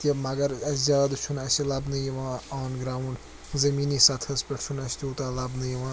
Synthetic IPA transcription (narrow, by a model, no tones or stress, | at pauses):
t̪ɐbmɐɡɐɾɐsd͡ʒaːd̪ɨt͡ʃʰunɐʃilɐbnɨjiʋãːaːnɡɾaːuɳɖ | zɐmiːnisɐt̪ʰhɐspʲɐʈʃʰunɐʃt̪ʲuːt̪aːlɐbnɨjiʋãː